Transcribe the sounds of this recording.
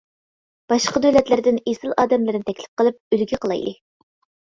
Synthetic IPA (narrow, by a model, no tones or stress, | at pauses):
b̥ɑʃqɑd̪ølɛt̪lɪɾd̪ɪnesɨlˠʔɑːd̪ɛmlɨɾnɪt̪ʰɛkʲlɪ̥p̚qəlˠɨp̚ylɡʲiqʰəlˠɑ̰jd̪ɨ